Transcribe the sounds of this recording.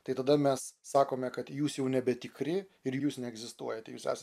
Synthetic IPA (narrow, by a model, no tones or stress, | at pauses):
t̪ɐɪt̪ɐd̪ɐmʲɛsːɑːkoːmʲɛkɐt̪juːsjɛʊnʲɛbʲɛt̪ʲɪkɾʲɪɪɾjjuːsnʲɛɛɡzʲɪst̪uɔjɛt̪ʲɛjuːsæ̰ːsɐ